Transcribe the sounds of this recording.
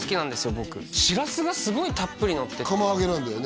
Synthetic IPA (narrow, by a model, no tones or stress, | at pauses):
sɨ̥kʲinãnd̪e̞sɨjo̞bo̞kɯ̟ɕiɾasɨɡasɨɡo̞it̪apːɯɾʲinot̪ːekomoaɡeɾɯ̃nd̪ejon